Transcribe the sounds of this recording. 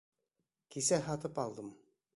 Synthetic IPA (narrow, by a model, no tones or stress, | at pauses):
kisæɦɑt̪ɤpɑlˠd̪ɤm